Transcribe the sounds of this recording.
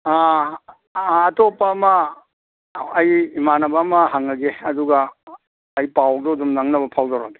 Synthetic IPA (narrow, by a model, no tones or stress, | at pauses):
a | topːɐːmɐ | jimanɐbaːmɐɦaŋɐɡeɐduɡɐː | jpawk̚dɔdumnaŋnɐbɐpʰawdawɾaɡe